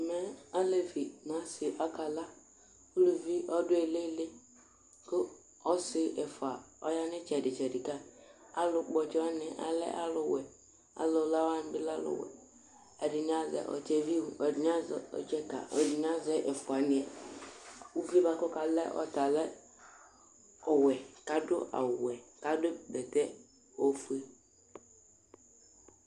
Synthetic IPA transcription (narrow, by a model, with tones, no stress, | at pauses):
mɛ˦a˦le˦vi˨ma˨˦sɪ˨ʔa˦ka˨la˦ | u˦lu˨vi˦ʔɔ˦dʊ˦e˨le˦lɪ˦ | ko˦ | ɔ˦sɪ˨ʔɛ˨fa˨ɔ˨˦ja˦nɪ˦t͡ʃɛ˨dɪ˨t͡ʃɛ˨dɪ˨ka˦ | a˦lʊ˨k͡pɔ˨t͡ʃɛ˦ɔ˦nɪ˨ʔa̰˨lɛ̰˦ʔa̰˦lʊ˨wɛ˨ | a̰˨lʊ˨la˦wa˦n˦bɪ˦la˦lʊ̰˨wɛ̰˨ | ɛ˨dɪ˨n˦a˦zɛ̰˨ʔɔ̰˨t͡ʃɛ˦vi˦u˨ɔ˨dɪ˨n˦a˦zɛ˨ɔ̰˨t͡ʃɛ˦ka̰˨ɔ˨di˨n˦a˦zɛ˨˦ʔe˨fʊ˨a˨nɪ˨ɛ˨ | u˦vi˦ba˦kɔ˦ka˨lɛ̰˦ʔɔ̰˨t̪a˨lɛ˦ | ɔ˨wɛ˨ka˨dʊ̰˦ʔa̰˨wɛ˨ka˦dʊ˦bɛ˨t̪ɛ˦ | o˦fu˦e˦